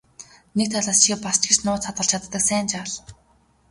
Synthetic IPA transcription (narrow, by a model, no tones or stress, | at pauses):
nek̚t̪ʰaɮaːst͡ɕʰipast͡ɕɡĕt͡ɕnʊːt͡sʰat̪ɢə̆ɮt͡ɕʰat̪ːə̆ksæːnt͡ɕaɮ